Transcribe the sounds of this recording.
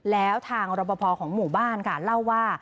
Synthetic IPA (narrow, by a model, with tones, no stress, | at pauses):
lɛː˦˥wt̪ʰaː˧ŋɾo˧pːɔ˧pʰɔː˧kʰɔː˩˦ŋmuː˨˩baː˥˩nkʰa˥˩la˥˩wːaː˥˩